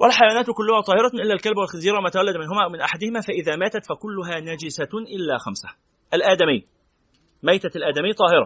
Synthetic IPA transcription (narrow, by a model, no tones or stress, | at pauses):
wælħajawaːnaːt̪kʊlːʊhaːt̪ˤɑːhɪɾˤɑʔɪlːæːlkalbwalxɪnziːɾˤɑwmæt̪awalːad̪mɪnɦʊmæːʔawmɪnʔaħad̪ɪhɪmæːfæʔɪðæːmæːt̪æt̪fækʊlːʊɦaːnæd͡ʒɪsaʔɪlːaːxamsḁ | ʔælʔæːd̪æmɪjː | majt̪alʔæːd̪æmɪjːt̪ˤɑːhɪɾɑ